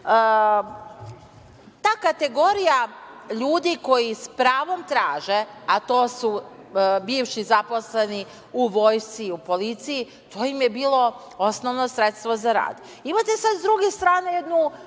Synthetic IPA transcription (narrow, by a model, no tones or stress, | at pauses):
t̪aːkat̪e̞ɡo̞ɾijaʎuːd̪iko̞jispɾaːʋo̞mt̪ɾaːʒeat̪o̞ːsu | biːʋʃizapo̞sle̞ni | uʋo̞ːjst̪siupo̞lit̪siji | t̪ʰo̞ːjimjebiːlˠo̞ | o̞snoʋno̞sɾet̪st̪ʋozaɾa̰ːd̪ | imat̪esad̪zd̪ɾuɡest̪ɾaːnejed̪nu